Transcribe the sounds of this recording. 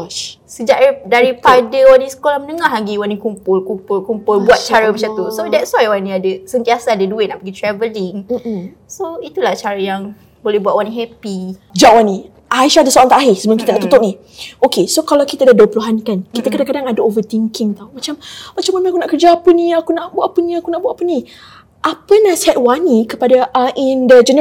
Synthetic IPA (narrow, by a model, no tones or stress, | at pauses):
səd͡ʒaʔdaɾipadəwanĩsə̥kolamənəŋaɦaɡiwanikumpʊlkumpʊlkumpʊlbuat̪̚t͡ʃaɾəmat͡ʃamt̪usodɛtswajwanĩadəsənt̪iasaːdədueʔnaʔpəɡit̪ɾɛvəliŋ̩ | soit̪ulaht͡ʃaɾəjaŋ | bolɛhbuaʔ̚wanĩɦɛpid͡ʒaʔwanːĩ | ʔaiʃadasoʔaŋt̪aʔaɦɪsəbənãkit̪anaʔt̪ut̪ʊʔ̚ni | okesokalawkit̪aadaduəpuluɦankankit̪akadaŋkadaŋadaovət̪iŋkiŋt̪awmat͡ʃammat͡ʃamanãakunaʔkərd͡ʒapənĩakunaʔbwapənĩakunaʔbuaʔpənĩ | ʔapənasiɦat̚wanikəpadaʔəindəd͡ʒən